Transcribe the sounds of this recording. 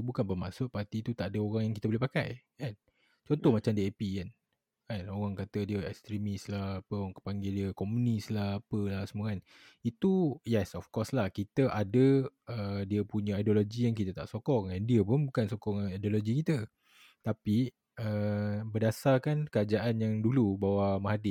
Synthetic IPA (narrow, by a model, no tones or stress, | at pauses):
bukanpəma̰sʊʔ̚part̪it̪ut̪aʔadəoɣaŋjaŋkit̪əbolehpaka̰jkan | t͡ʃɔntt̪ɔhmat͡ʃamdiepikan | kanoɣaŋkat̪ədiəɛ̰kst̪ɾimislahapəaŋkə̥paŋɡediəkomunislahapəlasəmuɣan | it̪ujɛsɔfkɔslahkit̪əʔadəədiəpuɲəajdoloɡijaŋk̬it̪ət̪a̰ʔsokɔŋandiəpʊnbukansokɔŋajdoloɡikit̪ə | t̪api | əbədasarkankəɾad͡ʒaʔanjaŋdulubawamaɦadɪ